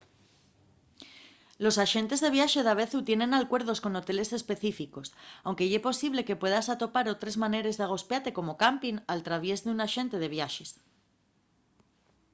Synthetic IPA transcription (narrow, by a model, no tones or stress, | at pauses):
lo̞saʃe̞nt̪e̞zðe̞βjaʃe̞ðaβ̞e̞θut̪je̞nenalkwe̞ɾð̞o̞sko̞no̞t̪e̞le̞se̞spe̞θifiko̞sawŋke̞epo̞siβ̞leke̞pwe̞ðasat̪o̞paɾo̞t̪ɾe̞zmane̞ɾe̞zðaɣ̞o̞spjat̪e̞ko̞mo̞kampinalt̪ɾaβje̞zðunaʃe̞nt̪e̞ð̞eβ̞jaʃe̞s